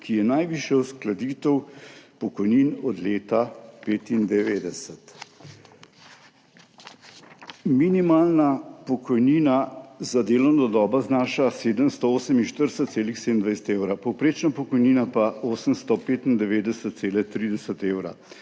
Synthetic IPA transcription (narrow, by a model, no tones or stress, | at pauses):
kʰijɛnajʋiːʃjɛwsklad̪iːt̪əwpɔkɔjniːnɔd̪leːt̪apeːt̪ind̪ɛʋeːd̪ɛsət̪ | minimaːlnapɔkɔjniːnazad̪eːlɔwnd̪ɔd̪ɔːbaznaːʃaseːd̪əmst̪ɔoːsəminʃt̪əɾsət̪t̪seːlixsed̪ənd̪ʋajsɛ̥t̪ewɾapɔwpɾeːt͡ʃnapɔkɔjniːnapaoːsəmst̪ɔpeːt̪ind̪ɛʋeːd̪ɛsət̪̚t̪seːlɛt̪ɾiːd̪ɛsət̪eːwɾa̰